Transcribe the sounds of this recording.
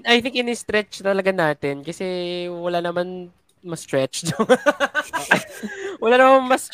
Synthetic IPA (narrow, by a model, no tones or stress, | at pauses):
ɐjθɪŋkɪnɪst̪ɾɛt͡ʃt̪ɐlɐɡanaːt̪ɪnkɐsɛwɐlanɐman | mɐst̪ɹɛt͡ʃd̪oŋ | wɐlanɐmanmɐs